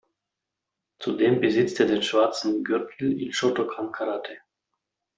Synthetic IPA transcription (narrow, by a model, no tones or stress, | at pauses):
t͡sudeːmbəzɪt͡steːɐdeːnʃv̥aɐt͡sn̩ɡʏʁtʰl̩ɪ̰nʃotokʰankʰaʁatʰe